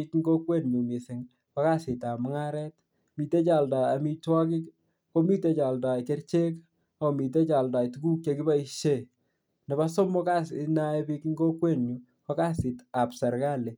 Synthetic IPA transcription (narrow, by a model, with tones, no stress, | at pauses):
ikŋɡo˦kwe˦nɲu˨mi˨sɪ˨ŋ | ka˦ka˦sɪ˨ta˨mʊ˦ŋa˦ɾɛt | mi˨te˦t͡ʃa˨lda˨a˨mi˨twa˦kɪ˦k | ko˦mi˦te˨t͡ʃa˨lda˨ke˦rt͡ʃe˦k | a˨o˨mi˨t̬e˦t͡ʃa˨lda˨tuku˦k̚t͡ʃe˧ki˦ba˦i˨ʃe˦ | nɛ˨ba˦sɔ˦mɔ˦ka˦sna˦e˦bi˦kŋɡo˦kwe˦˨nɲu˨ | kɔ˦ka˦sɪ˨ta˨psa˨ɾka˦le˨